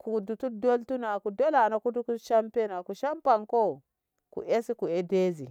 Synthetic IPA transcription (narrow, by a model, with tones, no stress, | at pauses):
ku˨du˨tu˦do˦ltu˦na˨ku˨do˦la˨na˨ku˦tu˦ku˦ʃa˦mpe˦na˨ku˨ʃa˦mpa˨ŋko˦˨ | kṵ˨ʔe˦si˦ku˨e˦de˦zḭ˨